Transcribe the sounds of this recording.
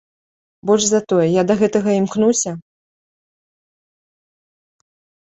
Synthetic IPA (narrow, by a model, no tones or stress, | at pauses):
bɔlʲʐzat̪ɔjɛjad̪ɐɣɛt̪ɐɣɐimknusʲɐ